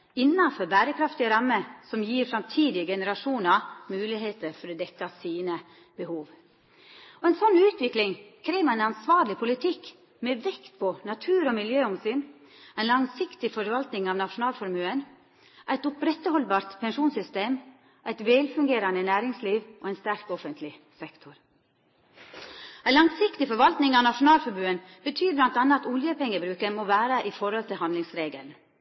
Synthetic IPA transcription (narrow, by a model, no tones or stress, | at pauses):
ɪnːɑfɔɾbæːɾəkʰɾɑft̪ɪəɾɑmːəsɔmjiːɾfɾɑmt̪ʰiːd̪ɪəɡɛnəɾɑʂuːnɑmʉːlɪɦeːt̪əɾfɔɾɔd̪ɛkːɑsiːnə | bəhuːʋ | ɔɛɪnsɔnːʉːt̪ʋɪklɪŋkʰɾeːʋæɪnɑnsʋɑːɾɭɪpʰʊlɪt̪ʰɪkː | mɛʋɛkt̪pʰɔnɑt̪ʰʉːɾɔmɪljøːɔmsyːn | æɪnlɑŋsɪkt̪ɪfɔɾʋɑlt̪nɪŋɑʋnɑʂʊnɑːlfɔɾmʉːən | ʔæɪt̪ʊpɾɛt̪ːəhɔlbɑːɾt̪pʰɛnʂuːnsʏst̪eːm | ʔæɪt̪ʋɛlfʉŋɡeːɾɑnənæːɾɪŋsliːʋʔoːɛɪnst̪æɾkɔfənt̪ʰlɪsɛkt̪ʰʊɾ | æɪlɑŋsɪkt̪ɪfɔɾʋɑlt̪nɪŋɑʋnɑʂʊnɑːlfɔɾmʉːənb̥ət̪ʰyːɾblɑnt̪ɑnːəɑɑt̪ʊljəpɛŋːəbɾʉːkəmoʋæːɾəʔɪfɔɾhɔlt̪ʰɪlhɑnd̪lɪŋsɾeːɡə̰ln